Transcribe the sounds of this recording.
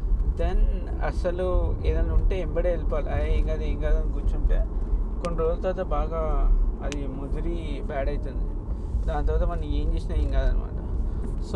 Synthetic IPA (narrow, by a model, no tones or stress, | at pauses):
d̪en | ɐ̰sɐlueːd̪ɐnːuɳʈeːembɐʈeːelipaːlḭaːjeŋɡaːd̪eeːŋɡaːd̪ankuɾt͡ʃːuɳʈeːkoɳɖɐɾoːlɐt̪ɐːt̪oːbaːɡaːɐd̪imud̪uɾibaːɽɐjt̪und̪id̪aːnt̪ɔʋat̪ɐmɐnːɐme̞ːɲt͡ʃeːsinaːeŋɡaːd̪ɐnḭma̰ːʈɐmso